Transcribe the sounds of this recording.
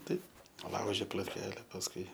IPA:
ˈtɐɪp ˈlˠɐʊʒʲɪ plˠoːtʲˈkʲæːlʲɛ pɐsˈkʊɪ

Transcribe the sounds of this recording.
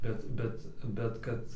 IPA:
ˈbʲɛt ˈbʲɛt ˈbʲɛt kɐt

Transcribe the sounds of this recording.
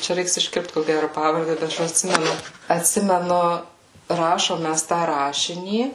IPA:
ˈt͡ʃʲɛ ˈrʲɛɪks ɪʃʲˈkʲɪrpt koː ˈɡʲærʊ ˈpɑːʋɐrʲdʲɛ bʲɛt ˈɐʃ ɐtʲˈsʲɪmʲɛnʊ ɐtʲˈsʲɪmʲɛnʊ ˈrɑːʃoːm ˈmʲæs tɑː ˈrɑːʃʲɪnʲiː

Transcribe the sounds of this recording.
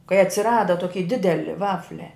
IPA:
kɐɪ ɐtʲsʲɪˈrɑːdɐ ˈtoːkʲɪ ˈdʲɪdʲɛlʲɪ ˈʋɑːfʲlʲɛ

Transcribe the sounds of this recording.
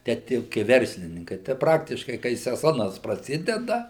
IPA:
ˈtʲæː ˈtʲiɛ jɛʊ kɐɪ ˈʋʲɛrʲsʲlʲɪnʲɪŋkɐɪ tɐɪ ˈprɑːktʲɪʃkɐɪ kɐɪ sʲɛˈzoːnɐs prɐˈsʲɪdʲɛdɐ

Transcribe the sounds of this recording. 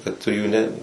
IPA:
kɐt tʊ juː ˈnʲɛ

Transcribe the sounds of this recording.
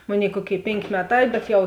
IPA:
ˈmoːˌnʲeːɪ ˈkuɔˌkʲeːɪ ˈpʲeːŋʲkʲeː ˈmʲæːˌtɑː bʲɛt jɛʊ

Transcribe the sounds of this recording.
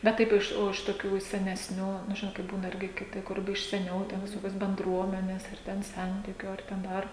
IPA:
bʲɛt ˈtɐɪp ˈɪʃ oː ɪʃ toːˈkʲuː ɪʃ sʲɛnʲɛsʲˈnʲuː nʊ ˈʒʲɪnoːt kɐɪ ˈbuːnɐ ˈɪrʲɡʲɪ kʲɪˈtʲɪ ˈkʊr ɪʃ sʲɛˈnʲɛʊ tʲɛn ʋʲɪˈsoːkʲoːs bʲɛnˈdruɔmʲɛnʲeːs ɐr ˈtʲɛn ˈsʲɛnʲtʲɪkʲʊ ɐr ˈtʲɛn ˈdɐr

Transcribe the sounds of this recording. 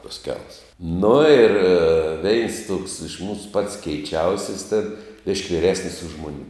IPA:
tɐs ˈkʲɛlˠs nʊ ɪr ˈʋʲɛɪns tuɔks ɪʃ ˈmuːsʊ pɐts kʲɛɪˈt͡ʃʲɛʊsʲɪs tʲeːn bʲɪʃʲkʲ ʋʲɪˈrʲæːsʲnʲɪs ʊʃ ˈmʊnʲ

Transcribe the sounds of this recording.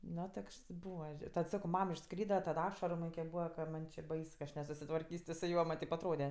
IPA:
ˈnoː ˈtoːkʃs ˈbuːʋɐ tɐt sɐkoː ˈmɐm ɪʃˈskrʲiːdɐ tɐt ˈɑːʃɐrʊ ˈmɐnʲ kʲiɛk ˈbuːʋɐ kɐ ˈmɐnʲ t͡ʃʲɪ ˈbɐɪs nʲɛsʊsʲɪtʋɐrʲˈkʲiːsʲ tʲɪ sʊ ˈjuɔ mɐnʲ ˈtʲɛɪp ɐtˈroːdʲɛ

